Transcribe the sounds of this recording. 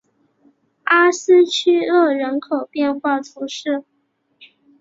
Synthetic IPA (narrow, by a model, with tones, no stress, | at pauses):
a˥sɹ̩˥t͡ɕʰy˥ɤ˥˩ɻə˧˥nkʰo˨˩ʊpjɛ˥˧nxwa˥˩tʰu˧˥ʂɻ̩˥˩